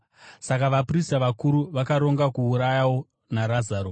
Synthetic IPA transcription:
sakaʋapristaʋakuɾuʋakaɾo̞ŋɡakuːɾajawo̞ | naɾazaːɾo

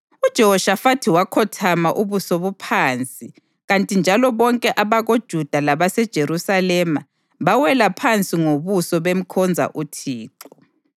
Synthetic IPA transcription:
ud̥ʒ̥ʱɔhɔʃafatʰiwakʰɔtʰamaʔuβusɔβupʰaːnt͡sʼi | ɣantʼind͡ʒʱalɔβɔŋkʼɛʔaβaɣod̥ʒ̥ʱud̥ʱalaβasɛd̥ʒ̥ʱeɾusalɛma | βawɛlapʰant͡sʼiŋoβusɔβem̩kʰɔnd͡zʱa̰ʔutʰiːǁɔ

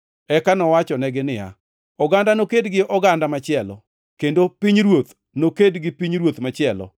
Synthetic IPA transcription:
ɛkanɔwat͡ʃɔnɛɡɪnɪa̰ | ɔɡandanokedɡɪʔɔɡandamat͡ʃɪɛlɔ̰ | kendopiɲɾwot̪ | nokedɡɪpiɲɾwot̪mat͡ʃɪɛlɔ̰

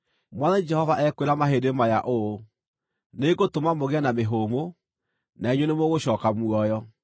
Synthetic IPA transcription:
mwaðɛd͡ʒɛhɔvaʔɛkweɾamaɦedemajaʔo | neɣotomamoɣeanameɦoːmo | naeɲwenemoɣoɕɔːkamuɔjɔ

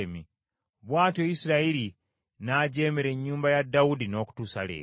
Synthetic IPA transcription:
emi | βwaːtoisiɾaiɾi | naɟe̞ːmeɾe̞ɲːuːmbajadːawudino̞ːku̥tuːsalḛː

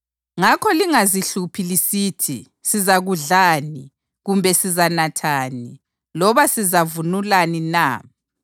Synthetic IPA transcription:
ŋakʰɔliŋaziɬupʰilisiːtʰi | sizaɣuɮaːni | ɣumbʱɛsizanatʰaːni | lɔβasizavunulaninaː

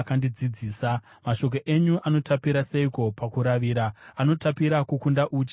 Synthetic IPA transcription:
kandid͡zid͡ziːsa | maʃo̞k̬o̞ʔeɲuʔano̞tapiɾaseiko̞pakuɾaʋiːɾaːno̞tapiɾakukundaʔuːt͡ʃi

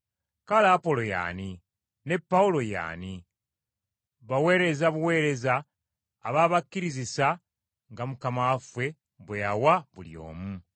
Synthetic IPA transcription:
kalaːpo̞lo̞ja̰ːni | ne̞pːaulo̞ja̰ːni | βawe̞ːɾe̞zaβuwe̞ːɾe̞zaː | βaβakːiɾizisa | ŋɡamukamafwe̞ | βwejawaβuljo̞̰ːmu

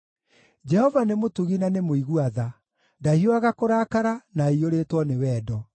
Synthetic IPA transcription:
d͡ʒɛhɔvanemotuɣinanemoiɣuaða | dahioaɣakoɾaːkaɾanaioɾetwɔnewɛːdɔ

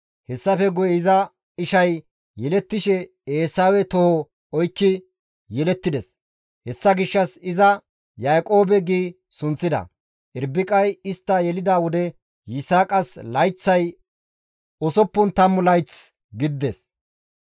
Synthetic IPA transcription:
hɛsːɐfɛɡʊjɛɪzɐ | ɪʃɐj | jɛlɛt̪ːɪʃɛ | eːsaːwɛt̪ɔhɔ | ɔjkːɪ | jɛlɛt̪ːɪd̪ɛs | hɛsːɐɡɪʃːɐsɪzɐ | jaːkʼo̞ːbɛɡiː | sʊnt͡sːɪd̪ɐ̰ | ʔɪɾbɪkʼɐjɪst̪ːɐjɛlɪd̪aːwɔd̪ɛ | jɪsaːkʼɐslɐjt͡sːɐj | ɔsɔpːʊnt̪ɐmːʊlɐjt͡s | ɡɪd̪d̪ːes

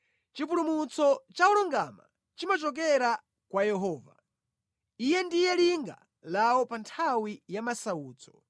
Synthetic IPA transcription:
t͡ʃip̬uɾumut͡sɔt͡ʃaɔlɔŋɡama̰ | t͡ʃimat͡ʃɔk̬ɛɾa | kwajɛɦɔːva | ijɛndijɛliŋɡa̰ | lawɔpantʰawijamasauːt͡sɔ̥

